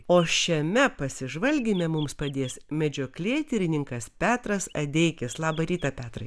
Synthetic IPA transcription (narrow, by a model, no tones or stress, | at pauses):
oːʃʲɛmʲɛpɐsʲɪʒʋɐlʲɡʲimʲɛmʊmspɐd̪ʲeːsmʲɛd͡ʒʲoːklʲeɛːt̪ʲɪɾʲɪnʲɪŋkɐspʲæːt̪ɾɐsɐd̪ʲɛɪkʲɪslˠɑːbɐɾʲiːt̪ɐpʲæːt̪ɾɐ